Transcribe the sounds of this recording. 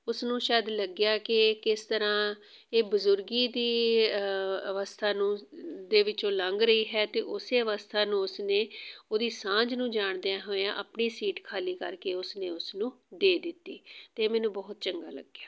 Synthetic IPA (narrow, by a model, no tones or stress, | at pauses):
ʊsnũːʃaːd̪ləɡjaːkɪkɪst̪əɾãː | eːbʊzʊɾɡiːd̪iː | əʋəst̪ʰaːnũːd̪eːʋɪt͡ʃõːləŋɡɾəiːɦɛːt̪eːʔʊseːəʋəst̪ʰaːnũːʊsneːoːd̪iːsãːd͡ʒnũːd͡ʒaːɳd̪ejãːɦoːeãːʔəpɳiːsiːʈkʰaːliːkə̰ɾkeːʊsneːʊsnũː | d̪eːd̪ɪt̪ːiːt̪eːmɛ̃ːnũːbɔːt̪̚t͡ʃəŋɡa̰ːlə̰ɡjaː